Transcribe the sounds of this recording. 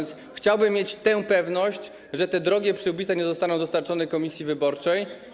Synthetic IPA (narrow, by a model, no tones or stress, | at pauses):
ns | xt͡ɕawbɘmːjet͡ɕt̪ɛ̃pɛvnɔɕt͡ɕ | ʐɛt̪ɛd̪ɾɔɡʲɛpʂɘwbʲit̪saɲɛzɔst̪anɔ̃w̃d̪ɔst̪aɾt͡ʂɔnɛkɔmʲisʲjivɘbɔɾt͡ʂɛj